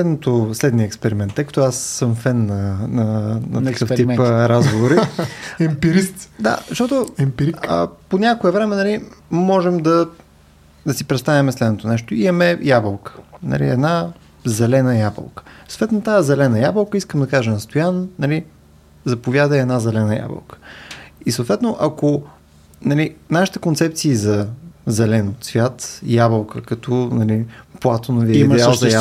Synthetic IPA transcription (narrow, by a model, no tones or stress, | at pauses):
slɛd̪not̪oslɛd̪niəɛkspɛɾimɛnt̪ːɛjkə̥t̪oasːɤmfɛnːɐnɐnɐ̰t̪ɐkəfiɾazɡovoɾiɛmpiɾist̪d̪a̰ʃt̪ɔt̪oɛmpiɾə̰ponʲakoɛvɾɛmɛnɐlimɔʒɛmd̪ɐ | d̪ɐsipɾɛt̪st̪avʲɐmɛslɛd̪not̪onɛʃt̪oiɛmɛjabəlˠkə̥nɐ̰lḭɛ̰d̪na | zɛlɛnəjabə̰lˠkə̥so̥t̪vɛt̪not̪aɛzɛlɛnəjabəlˠkəiskəmd̪ɐkaʒənɐst̪ojannɐli | zɐpovʲjad̪əɛd̪nazɛlɛnəja̰bə̰lˠkə̥isoːt̪vɛt̪noʔɐko | nɐlinaʃi̥t̪ɛkont̪sɛp̚t̪siːzɐzɛlɛnosvʲjat̪jabəlˠkəkɐt̪ɔnɐliplˠat̪onoviɛimɛalˠzɐja